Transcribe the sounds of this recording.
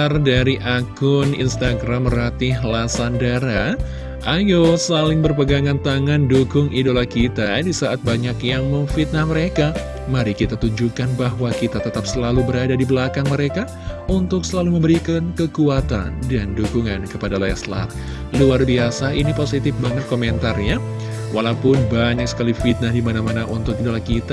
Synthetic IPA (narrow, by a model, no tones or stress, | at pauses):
ardaɾiʔakʊnḭnst̪aɡɾamːəɾat̪ɪɦlasandaɾa | ʔajosalɪŋbərpəɡaŋant̪aŋandukʊŋidolahkit̪adisaʔat̪̚baɲakjaŋməŋfit̪̚nahməɾeka | maɾikit̪at̪uɲd͡ʒukanbaɦwakit̪at̪ət̪ap̚səlalubəɾadadibəlakaŋməɾeka | unt̪ʊksəlaluməmbəɾikankəkuat̪a̰ndandukuŋankəpadalaja̰sla̰r | luarbiasainiposit̪ɪfbaŋət̪̚komɛnt̪arɲa | walaupʊnbaɲak̚sə̥kalifit̪̚nahdimanamanaʔunt̪ʊkidolahkit̪a